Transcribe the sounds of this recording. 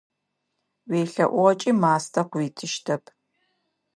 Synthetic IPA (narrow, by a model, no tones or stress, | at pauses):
weːɬɐʔʷɔʁɐt͡ʃʼimaːstʰɐqʷʊiːtʰɨʃtʰɐpʰ